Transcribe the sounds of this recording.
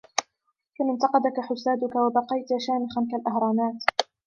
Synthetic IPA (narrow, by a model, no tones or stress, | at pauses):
famɪnt̪ɑqɑd̪akaħʊsaːd̪ʊkawabɑqɑjt̪aʃaːmɪxankalʔahɾˤɑːnaːt̪